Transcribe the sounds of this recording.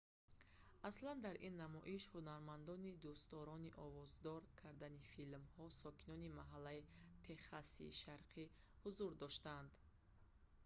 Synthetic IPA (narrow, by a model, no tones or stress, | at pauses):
ʔasland̪aɾʔinːamɔʔiʃhunaɾmand̪ɔnid̪ust̪ɔɾɔniʔɔvɔzd̪ɔɾkʰaɾd̪anifilmhɔsɔkinɔnimaɦalːait̪ʰe̞χasḭːʃaɾqʰi | huzuɾd̪ɔʃt̪and̪